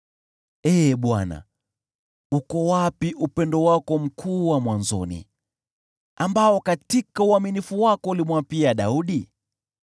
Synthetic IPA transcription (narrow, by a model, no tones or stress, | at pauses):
ɛɓwana̰ | ukɔwapiʔupɛndɔwakɔm̩kʰuːwamwanzɔ̰nḭ | ambaɔkatikauaminifuwakɔulimwapiaɗauɗi